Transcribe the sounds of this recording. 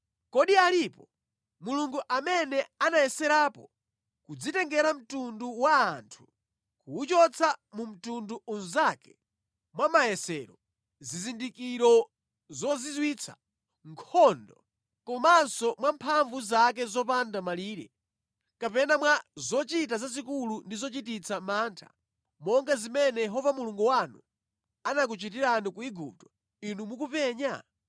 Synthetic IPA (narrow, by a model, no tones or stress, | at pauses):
kɔɗialipɔ | muluŋɡuʔamɛnɛanajɛsɛɾaːpɔ | kud͡zitɛŋɡɛɾam̩tunduwaːntʰu̥ | kuːt͡ʃɔt͡sʰamum̩tunduunzakɛ̥ | mwamajɛsɛɾɔ | zizindikiɾɔ | zɔzizwit͡sʰa̰ | ŋkʰɔndɔ̰ | kɔmansɔmwampʰaɱvuzakɛzɔpandamaliːɾɛ̰ | kapɛnamwazɔt͡ʃitazazikulundizɔt͡ʃitit͡sʰamaːntʰa̰ | mɔŋɡazimɛnɛjɛɦɔvamuluŋɡuwanṵ | anak̬ut͡ʃit̬iɾanikuiɡup̚tɔ̥ | inumukupɛːɲa̰